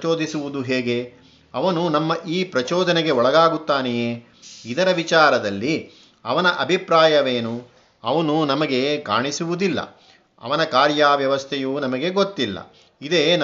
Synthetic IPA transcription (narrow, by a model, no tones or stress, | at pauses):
oːd̪isuʋud̪uɦeːɡe̞ | ɐʋɐnunɐmːɐʔiːpɾɐt͡ʃɔːd̪ɐneɡe̞ɔɭɐɡaːɡut̪ːaːnejeː | id̪ɐɾɐʋit͡ʃaːɾɐd̪ɐlːi | ɐʋɐnɐʔɐbʱipɾaːjɐʋeːnu | ɐʋɐnunɐmɐɡe̞ka̰ːɳisuʋud̪ilːɐ̰ | ɐ̰ʋɐnɐkaːɾjaːʋjɐʋɐst̪ʰɛjuːnɐmɐɡe̞ɡot̪ːilːɐ̰ | id̪e̞ːn